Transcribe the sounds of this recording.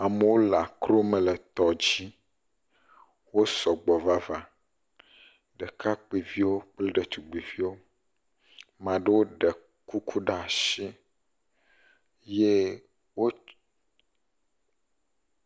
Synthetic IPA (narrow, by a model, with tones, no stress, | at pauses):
a˨me˨˦wo˦la˨kɾo˦mẽ˨le˨t̪ɔ˨d͡ʑi˦ | wo˦sɔ˨ɡ͡bɔ˨va˦va˦ | ɖɛ˨ka˦k͡pe˨vi˦wo˦k͡ple˦ɖe˨t̪u˨ɡ͡be˨vi˦wo˦ | mã˨ɖe˦wo˦ɖe˨ | ku˦kʰu˦ɖa˦˨a˨ʃi˦ | je˦ | wo˦